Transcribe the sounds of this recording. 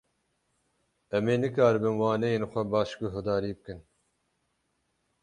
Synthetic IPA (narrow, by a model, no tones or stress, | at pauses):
ɛmeːnɨkaːɾɨbɨnwɑːnɛjeːnxʷɛbɑːʃkuɦʊd̪ɑːɾiːbɨkɨn